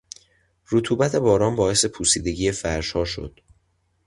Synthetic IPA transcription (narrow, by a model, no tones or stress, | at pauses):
ɾot̪ʰuːbæt̪ʰe̞bɒːɾɒːmbɒːe̞se̞pʰuːsiːd̪e̞ɟiːjefæɾʃhɒːʃo̞̰d̪̥